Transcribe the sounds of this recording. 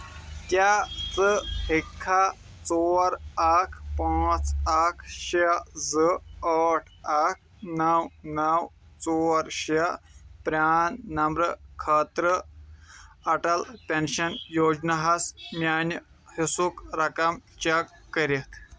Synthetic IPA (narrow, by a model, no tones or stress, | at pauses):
t̪jat͡səhekʰːa | t͡soɾakʰpãt͡sakʰɕed͡zəəʈʰak̚ʰ | nəwnaw | t͡soɾɕapɾanːɐmbɾəkʰət̪ɾə | ɐʈəlpenɕənjod͡ʑnaɦasmjanjə | hesukɾakamt͡ɕakːəɾit̪